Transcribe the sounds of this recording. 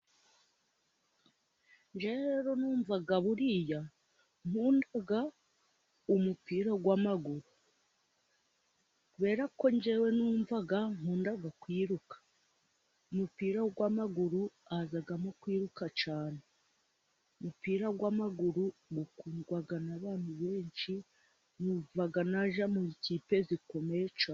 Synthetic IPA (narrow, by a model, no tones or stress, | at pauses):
ɲd͡ʒeɾeɾo̞nuːɱvaɡaβuɾija | m̥uːndaɡa | umupiːɾaɡwamaɡuɾu | kuβe̞ːɾako̞ɲɟewe̞nuːɱvaɡaŋ̥huːndaɡakwiːɾukḁ | umupiːɾaɡwamaɡuɾuazaɡamokwiːɾukat͡ʃaːne | umupiːɾaɡwamaɡuɾuɡukuːnɡwaɡanaβaːnuβe̞ːɲt͡ʃi | nuːvaɡanaʒamuiciːpe̞ziko̞met͡ʃa